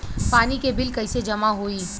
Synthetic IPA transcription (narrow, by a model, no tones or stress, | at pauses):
paːnikebɪlkɐɪsed͡ʒɐmaɦoːiː